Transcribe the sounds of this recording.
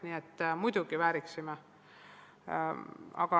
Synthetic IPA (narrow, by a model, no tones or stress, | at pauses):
niːet̪ːmujd̪uɡiʋæːɾiksime | ɑ̰ɡɑ